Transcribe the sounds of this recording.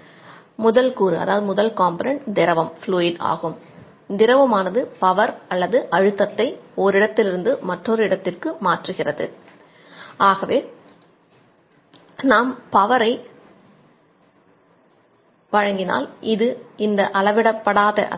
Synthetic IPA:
mʊðɐlkuːɾɯɐ̰ðaːʋɯðɯmʊðɐlkaːmpɐnɛɳʈd̪ɪɾɐʋɐmfluːɪɖa̰ːɣɯm | d̪ɪɾɐʋɐmaːnɐðɯpɐʋɐɾɐlːɐðɯʔɐɻɯt̪ːɐt̪ːɐɪɔɾɪɽɐt̪ːɪlɪɾɯnd̪ɯmɐʈrɔɾɯɪɽɐt̪ːɪrkɯmaːʈrɯɣɪrɐðɯ̰ | aːɣɐʋeː | naːmpɐʋɐɾɐɪ | ʋɐɻɐŋɡɪna̰ːlɪðɯɪnd̪ɐʔɐlɐʋɪɽɐpːɐɽaːðɐ̰

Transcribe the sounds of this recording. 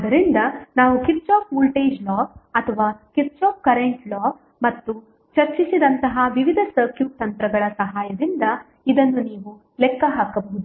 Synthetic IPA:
d̪ɐɾind̪ɐnaːʋukiʈt͡ʃaːk̚mulʈeːd͡ʒlɔːɐt̪ʰɐʋaːkiʈt͡ʃaːp̚kɐɾeɳʈlɔː | mɐt̪ːu | t͡ʃɐɾt͡ʃisid̪ɐnt̪ɐɦaʋiʋid̪ʱɐsɐɾkjuːt̪ɐnt̪ɾɐɡɐɭɐsɐɦaːjɐd̪ind̪ɐ | id̪ɐnːuniːʋu | lɛkːɐɦaːkɐbɐɦud̪u

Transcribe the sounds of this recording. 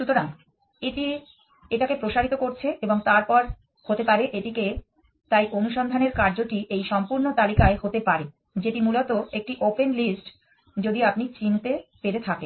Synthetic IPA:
ʃut̪oɾaŋ | iʈi | eʈakepɾoʃaɾit̪okoɾt͡ɕʰeʔeboŋt̪aɾpɔɾ | hot̪epaɾeʔeʈike | t̪ajʔonuʃɔnd̪ʱaneɾkaɾd͡ʑoʈiʔejʃɔmpuɾnot̪alikaeɦot̪epaɾe | d͡ʑeʈimulot̪oek̚ʈiʔopenlisʈ | d͡ʑod̪iapnit͡ɕint̪epeɾet̪ʰaken

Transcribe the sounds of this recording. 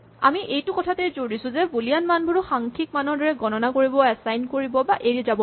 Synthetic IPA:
a̰miʔejtʊkɔtʰatɛzoɹisʊ̃zɛbulijanmanbʱuɹʊxaŋkʰik̚manɔɹdɔɹɛɡɔnɔnakoɹibɔɛsajnkoɹibɔbaʔeɹiɛzabɔ

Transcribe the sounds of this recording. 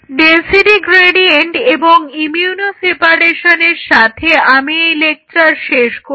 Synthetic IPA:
ɖensiʈiɡɾeɖieɳʈeboŋimiunosepaɾeʃoneɾʃat̪ʰeamieilek̚ʈɾaɾʃeʃko

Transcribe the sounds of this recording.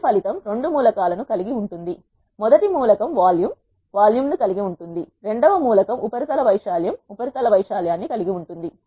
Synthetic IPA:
pʰɐlit̪ɐmɾe̞ɳɖumuːlɐkaːlɐnukɐliɡiuɳʈund̪i | mɔd̪ɐʈimuːlɐkɐmʋaːljum | ʋaːljumnukɐliɡiuɳʈund̪iɾe̞ɳɖɐʋɐmuːlɐkɐmʔupɐɾit̪ɐlɐʋɐjʂaːlɐjɐmupɐɾit̪ɐlɐʋɐjʂaːlɐjaːnːikɐliɡiuɳʈund̪i

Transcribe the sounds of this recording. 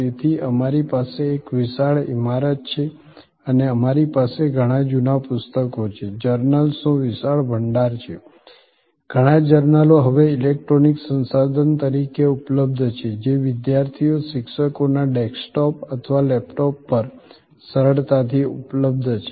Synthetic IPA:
et̪ʰiəmaɾipaseːkʋɪsaɭḭmaɾət̪̚t͡ʃʰe | əneəmaɾipaseɡʱəɽ̃ãd͡ʒunapʊst̪əkot͡ʃʰed͡ʒəɾnəlsũʋɪsaɭbʱəɳɖaɾt͡ʃʰe | ɡ̥ʱəɽ̃ãd͡ʒəɾnəloɦəʋeɪlek̚ʈɾoniksə̃nsad̪ʱənt̪əɾikeupləb̚d̪ʱt͡ʃʰed͡ʒeʋɪd̪jaɾt̪ʰijoʃɪkʃəkonaɖɛksʈɔpət̪ʰəʋalɛpʈɔpːəɾ | səɾəɭt̪at̪ʰiṵpləb̚d̪ʱt͡ʃʰe

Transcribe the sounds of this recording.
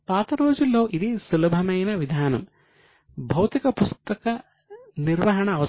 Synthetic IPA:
paːt̪ɐɾoːd͡ʒuloːʔid̪isulɐbʱɐmɐjnɐʋid̪ʱaːnɐ̰m | bʱɐwt̪ikɐpust̪ɐkɐ | niɾʋɐɦɐɳɐːʋɐ

